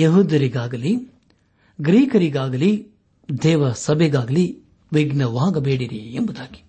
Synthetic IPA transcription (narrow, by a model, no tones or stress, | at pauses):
jɐɦuːd̪ɐɾiɡaːɡɐli | ɡɾiːkɐɾiɡaːɡɐli | d̪ɛːʋɐsɐbʱɛɡaːɡɐli | ʋiɡnɐʋaːɡɐbeːɽiɾiembud̪aːɡi̥